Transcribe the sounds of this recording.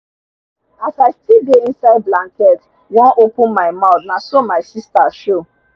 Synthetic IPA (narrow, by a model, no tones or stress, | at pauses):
asaɪstideĩnsaɪd̚blãŋkɛt | wɔ̃nʔopũnmaɪmaʊt̪nasɔmaɪsistaʃo